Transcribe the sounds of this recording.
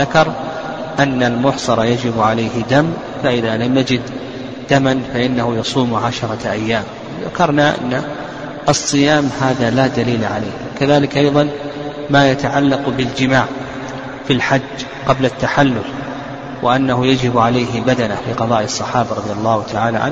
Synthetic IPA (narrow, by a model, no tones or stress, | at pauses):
ðakɑɾˤ | ʔanːalmʊħsˤɑɾˤɑjad͡ʒɪbʕalajhɪd̪am | faʔɪðalamjad͡ʒɪd̪̥ː | amanfaʔɪnːahʊjɑsˤuːmʕaʃɑɾˤɑʔajːaːm | ða̰kɑɾˤnaʔa̰nːa | ʔɑsˤːɨjaːmhaːðalaːd̪aliːlaʕala̰ːhkaðaːlɪkʔɑjðˤɑn | maːjat̪aʕalːɑqbɪld͡ʒɪmaːʕ | filħad͡ʒː | qɑblat̪ːaħalːʊl | wɪʔanːaɦʊjad͡ʒɪbʕalajɦɪbad̪anafiqɑðˤɑːʔɑsˤːɑħɑːbaɾˤɑðˤjɑlˤːɑːhʊt̪ʰaʕaːla̰ʕa̰n